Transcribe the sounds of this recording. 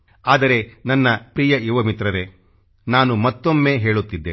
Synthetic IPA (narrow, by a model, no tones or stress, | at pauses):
aːd̪ɐɾe̞nɐnːɐpɾiːjɐiʋɐmit̪ɾɐɾe̞ | naːnumɐt̪ːomːe̞ːɦe̞ːɭut̪ːid̪ːeː